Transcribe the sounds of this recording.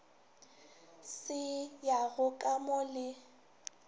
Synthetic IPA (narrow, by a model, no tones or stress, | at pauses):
sɪjaɣʊkʼamʊlɪ